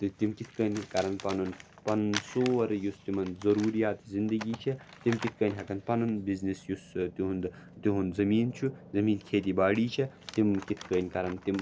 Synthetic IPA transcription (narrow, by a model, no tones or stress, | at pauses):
t̪ɨt̪imkit̪ʰkəːnʲkɐɾɐnpɐnun | pɐnsoːʋɐɾjust̪imɐnd̪zɐɾuːɾijaːt̪zind̪ɐɡiːt͡ʃʰɐ | t̪imkit̪̚ʰkənʲɦʲɐkɐnd̪pɐnɐnbiznisjust̪iɦund̪ | t̪iɦunzɐmiːnt͡ʃʰuzɐmiːnkʲʰeːt̪iːbaːɽiːt͡ʃʰɐ | t̪imkit̪ʰkəːnʲkɐɾɐnt̪im